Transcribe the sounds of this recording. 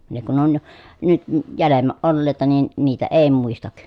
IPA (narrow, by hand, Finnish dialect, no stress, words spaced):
ne kun on nyt ə jælemːæʔ ʔolːeˑi̯tɑ nin niːtæ eˑi muistɑk